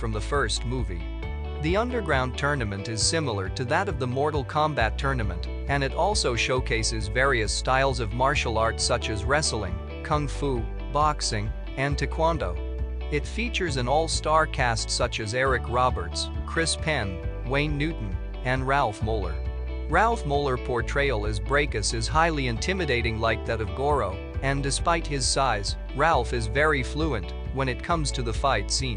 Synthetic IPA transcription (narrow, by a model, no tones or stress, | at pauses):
fɹʌ̃mðəfɜ˞st̚muvḭ | ðiʌ̃ndə˞ɡɹãʊ̃ntʰɜ˞nɨmɨ̃ntɨz̥sɪ̃ml̩ˠə˞ɾɨðəɾʌvðəmɔɹɾl̩ˠkʰɑ̃mbætʰɜ˞nɨmɨ̰̃nt | ɨ̃nɨɾɔlˠsoʊʃoʊkʰeɪsɨzvɛɹiɨstaɪlˠzʌvmɑɹʃl̩ˠɑɹtsʌt͡ʃɨzɹɛsl̩ˠɪ̰̃ŋ | kʰʌ̃ŋfu | bɑksɪ̃ŋ | ɨ̃ntʰɨkʰw̥ɑ̃ndoʊ | ɨtfit͡ʃə˞zɨ̃nɔlˠstɑɹkʰæstsʌt͡ʃɨzɛɹɨkʰɹɑbə̰˞tskʰɹ̥ɪspʰɛ̃n | wẽɪ̃nːʉʔn̩ | ɨ̃nɹælˠfmoʊlˠə̰˞ | ɹælˠfmoʊlˠə˞pʰɔɹtʰɹ̥eɪl̩ˠɨzbɹeɪkɨsɨz̥ɦaɪlˠiɨ̃ntʰɪ̃mɨdeɪɾɪ̃ŋlaɪk̚ðɨɾʌvɡɔɹoʊ | ɨ̃ndɨspaɪt̚hɪz̥saɪz | ɹælˠfɨzvɛɹifluɨ̃nʔ | wə̃ñɨt̚kʰʌ̃mz̥tʰɨðəfaɪtsĩn